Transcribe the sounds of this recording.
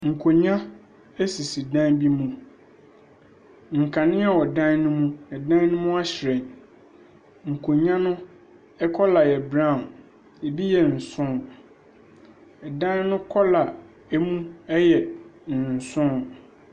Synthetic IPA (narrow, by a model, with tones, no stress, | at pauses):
ŋ̩˨kʰo˨ɲã˦ | ɛ˦si˨si˨dã˦nbi˦mũ˨ | ŋ̩˨kʰã˨nɪ̃˦a˨wɔ˨dã˦nnʊ̃˦mũ˦nã˨dã˦n˦nʊ̃˦mʊ̃˦a˦ɕɪ˨ɾɛ̃˨n | ŋ̩˨kʰo˨ɲã˦nʊ̃˦ | ɛ˦kʰɔ˦la˨jɛ˨bɾã˦˨m | ɛ˨bi˦jɛ˨n̩˨sʊ̃˦n | ɛ˨dã˦nnʊ̃˦kʰɔ˦la˨ | e˦mũ˦ɛ˦jɛ˨n̩˨sʊ̃˦